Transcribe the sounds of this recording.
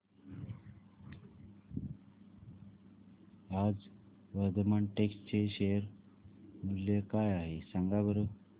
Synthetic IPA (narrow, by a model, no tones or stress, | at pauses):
ad͡z | ʋəɾd̪əmaɳʈeksʈt͡ɕeɕejəɾ | muljəkajaɦesaŋɡabəɾu